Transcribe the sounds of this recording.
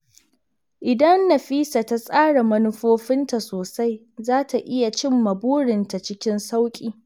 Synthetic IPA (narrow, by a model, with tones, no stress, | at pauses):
ʔɪ˨dɐ˦nːɐ˨ɸiː˦sa˨ta˦sʼaː˦ɽa˨mɐ˦nʊ˦ɸoː˦ɸɪ˦nta˨soː˨sa˦j | zaː˦tʰa˨ʔɪ˦ja˨t͡ʃɪ˦mːɐ˨buː˦ɽɪ˨nta˨t͡ʃɪ˦kʲɪ˦nsa˦wkʲʼiː˨